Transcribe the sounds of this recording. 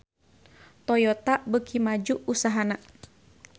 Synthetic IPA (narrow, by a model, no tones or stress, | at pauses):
t̪ɔjɔt̪aʔbəkʰimad͡ʒuʔusaɦana